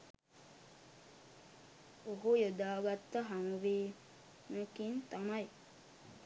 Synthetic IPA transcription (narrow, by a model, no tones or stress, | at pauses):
oɦujod̪aːɡat̪ːəɦaŋʋeː | məkint̪amaj